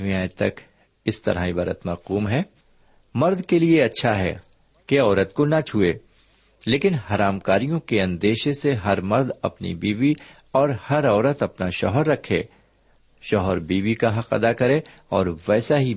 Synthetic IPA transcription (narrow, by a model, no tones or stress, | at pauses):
mĩaːjt̪ɐk | ɪst̪ɐ̰ɾaibɐɾə̰t̪mɐɾquːmɦɛː | mɐɾd̪kelieɐtːʃʰaɦɛ̰ː | keɔːɾət̪konat͡ʃʰueː | leːkɪnhaɾaːmkaːɾijõkeɐ̃nd̪eːʃeseɦɐɾmɐɾd̪ɐ̰pnḭbiːʋi | ɔːɾhɐɾɔːɾət̪ɐpnaʃɔ̰ɦɔɾːɐkʰḛ̃ː | ʃɔɦɔɾbiːʋikaɦɐqɐ̰d̪akɐɾẽ | ɔːɾʋɛːsaɦi